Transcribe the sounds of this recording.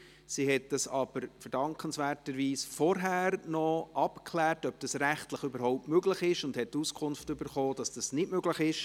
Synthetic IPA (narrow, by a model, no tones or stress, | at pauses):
sihɛt̚d̥ɑsɑb̥əɾfəɾdɑŋkənsvɛːɾtəɾviːsfɔɾɦæːɾnɔʔɑpkʰlɛːɾtœb̚d̥ɑsɾæχtləχʏbəɾɦhɔʊp̚tmøɡləχɪʃʊndhɛttːuskʰʊnftʏbəɾχoːd̥ɑsd̥ɑsnɪdmøɡləχɪʃ